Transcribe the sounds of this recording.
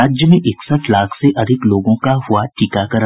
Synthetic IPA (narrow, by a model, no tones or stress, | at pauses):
aːd͡ʒjəmẽʔɪksət̪laːkʰseʔɐd̪ʱɪkloːɡõkaɦʊaʈiːkakɐɾ